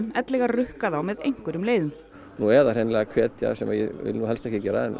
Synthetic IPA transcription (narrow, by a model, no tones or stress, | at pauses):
mɛt̪lɛɣarʏhkaðawmɛðḛjŋ̥kʏɾʏmleːjðʏm | nuɛɾðarejnɪlɛɣakʰvɛːt̪ja̰sɛmajɛ̰vɪ̰luɦɛlst̪ɛhcɪcɛːɾaɛnː